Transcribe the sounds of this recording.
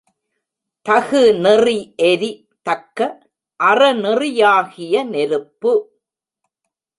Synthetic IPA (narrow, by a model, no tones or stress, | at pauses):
t̪ɐɣɯnɪriʔɛɾi | t̪ɐkːɐ | ʔɐrɐnɪrɪjaːɣɪjɐnɛɾɯpːɯ